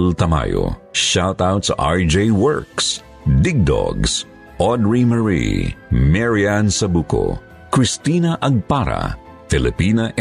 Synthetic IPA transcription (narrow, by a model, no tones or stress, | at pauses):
lt̪ɐma̰jo̰ʃawt̪awt̪sɐʔaɹd͡ʒejwɛɹks | d̪ɪɡ̚d̪ɔ̰ɡs | ʔɔd̪ɹimɛɹḭmɛɹiansɐbuːko̰ | kɹɪst̪iːnɐʔɐɡ̚paɾa̰ | fɪlɪpinɐʔ